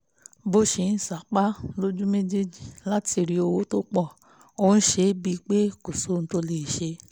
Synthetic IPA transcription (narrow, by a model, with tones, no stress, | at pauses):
bo˦ʃe˨˦n̩˨sa˨˦k͡pa˦lo˦d͡ʒu˦me˦d͡ʒe˦d͡ʒi˨la˦ti˧˨ɾi˧o˧wo˦to˦k͡pɔ˦˨ | o˧n̩˦ʃe˧˦bi˧k͡pe˦ko˨so˨˦n̩˧˦to˧le˨i˨ʃe˧